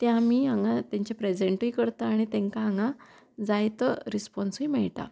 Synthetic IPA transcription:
t̪jãmiːãŋɡat̪ãɲt͡ɕapɾed͡ʑeɳʈiːkəɾt̪aːɽ̃it̪ɛ̃ŋkaaŋɡã | d͡zajt̪əɾispɔnsimɛɭʈ̪a̰

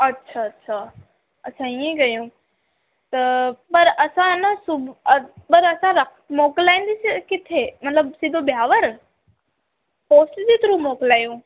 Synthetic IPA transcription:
ɐtːʃʰaɐtːʃʰaː | ɐːsʰãiẽɡɐjũː | t̪ɐpɐɾɐsãnɐsʊbpɐɾɐsãɾɐk̪ʰ | moːklaːĩːnd̪iskɪt̪ʰemɐt̪ləbsɪd̪ʱobjaːʋəɾ | poːsʈd͡ʑit̪ɾũmoːklaːjũː

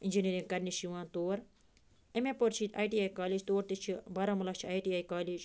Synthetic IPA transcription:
inʲd͡ʒiniɾĩŋɡkɐɾnʲiʃiʋãːnt̪oːɾ | emepoɾt͡ʃʰit̪ʲʰaːjʈiaːjkaːliːd͡ʒt̪oːɾt̪it͡ʃʰibɐɾɐmɐlɐkt͡ʃʰiaːjʈiːaːjkaːliːd͡ʒ

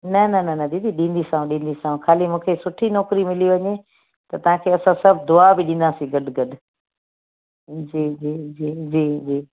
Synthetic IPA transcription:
nɐnɐnɐnɐd̪ĩːd̪iɗĩːnd̪isãːũɗĩːn̆d̪isãːũkʰaːlimũːkʰesʊʈʰinɔːkɾimɪliʋɐɲe | t̪ɐt̪ɐɦãkʰeːɐsãsɐbʱd̪ʊabɪɗĩnd̪asĩɡɐɗɡɐɗ | d͡ʑiːd͡ʑiːd͡ʑiːd͡ʑiːd͡ʑiː

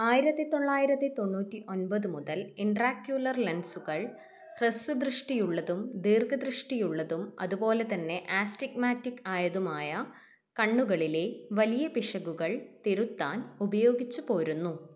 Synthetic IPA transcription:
aːjiɾɐt̪ːɨt̪o̞ɳːaːjiɾɐt̪ːɨt̪o̞ɳːuːtːiʔo̞nbɐðumuðɐliɳɖraːkjuːlɐrlɐnsuɣɐɭ | resʋud̪rɨʂʈijuɭːɐðumd̪iːrɡɐd̪rɨʂʈijuɭːɐðumɐ̰ðupo̞ːle̞t̪ɐnːe̞ʔaːstikmaːtːikːaːjɐðumaːjɐ | kɐɳːuɣɐɭile̞ʋɐlijɐpiʂɐɣuɣɐɭt̪eɾut̪ːaːnubɐjo̞ːɡit͡ɕːupo̞ːɾunːu

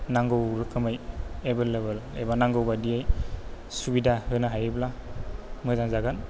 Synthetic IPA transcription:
naŋɡɯwɾɯkʰɯmajebeleβelḛbanaŋɡɯwbadiaj | subidahɯnaɦajɯbla | mɯzaŋzaɡan

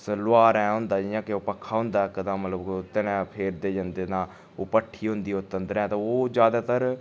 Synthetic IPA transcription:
slʊaːɾɛ̃ːɦʊ̃nd̪aːd͡ʒiːãːkɪoːpəkʰːaːɦʊ̃nd̪aːkːəd̪ãːmət̪ləbt̪ɪnɛ̃ːpʰeːɾd̪eːd͡ʒənd̪eːnaː | oːpəʈʰːiːɦʊ̃nd̪iːot̪ːənd̪əɾɛ̃ːt̪ãoːd͡ʒjaːd̪aːt̪əɾ

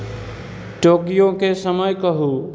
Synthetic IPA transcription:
ʈoːkijõkesəməjkəɦu

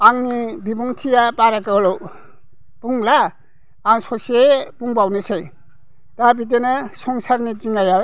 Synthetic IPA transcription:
aŋnibibuŋtʰijapaɾakɯlow | puŋlaː | ŋsɔsepuŋbawnɯsej | tabit̬enɯsɔŋsaɾnitiŋaja

